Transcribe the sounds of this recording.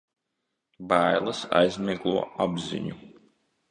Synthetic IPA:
bæːjlˠɐsa̰jzmʲiɡlˠuɔʔabzḭɲu

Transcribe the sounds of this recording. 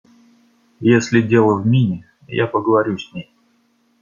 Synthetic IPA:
jesʲlʲɪdʲe̞lˠəvmʲinʲɪ | ja̰pəɡəvɐɾʲusʲnʲej

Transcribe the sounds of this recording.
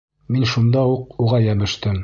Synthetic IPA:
minʃund̪ɑuquʁɑjæβɘ̆ʃt̪ɘm

